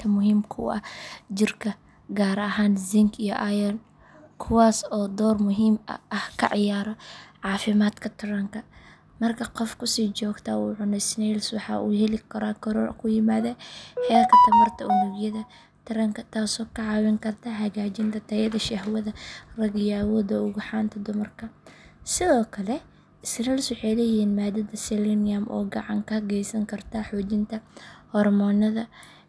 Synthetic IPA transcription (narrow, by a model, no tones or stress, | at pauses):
t̪ʰɐmʊɦiːmkʰʊɐ̰d͡ʒɪrkʰɐ | ɡaːɾɐɦaːnzɪŋkʰijɔʔajɐl | kʰʊwaːsɔːd̪ɔːrmʊɦiːmɐ̰ʔɐhkʰɐ̰ʕɪjaːɾɔʕɑːfɪmaːd̪kʰɐt̪ʰɪɾɐŋkʰɐ | mɐrkʰɐqɔfkʰʊsiːt͡ʃɔːɡt̪ʰɐuːʕʊnɛsnɛjlswɑħɑ̰ːʔṵːhɛlɪkʰɐɾaːkʰɐɾɔːkʰʊjɪmaːðɛħɛːrkʰɐt̪ʰɐmɐrt̪ʰɐʊlʊɡjɐðɐ | t̪ʰɐɾɐŋkʰɐt̪ʰaːsɔːkʰɐʕɑːwɪŋkʰɐrt̪ʰɐɦɐɣaːt͡ʃɪnt̪ʰɐt̪ʰɐjɐðɐʃɐhwɐðɐrɐɣɪjaːwɔːd̪ɐʊɣʊħɑːnt̪ʰɐd̪ʊmɐrkʰɐsɪðɔːkʰɐlɛ | ɪsnɛlsʊħɛlɛjiːnmaːd̪ɐðɐsɛlɪnɪjɐmʔɔ̰ːɡɑʕɑŋkʰɐhɐɣɛjsɐŋkʰɐrt̪ʰɐħɔːt͡ʃɪnt̪ʰɐhɔrmɔːnɐðɐ